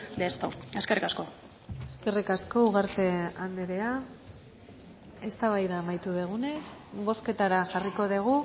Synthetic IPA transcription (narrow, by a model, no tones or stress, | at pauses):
d̪est̪o̰eskerikasko̞ | eske̞rikasko̞uɣ̞aɾt̪e̞and̪eɾe̞a | e̞st̪aβ̞ajðaːmajt̪uðeɣ̞une̞sbo̞ske̞t̪aɾaʝariko̞ðeɣ̞u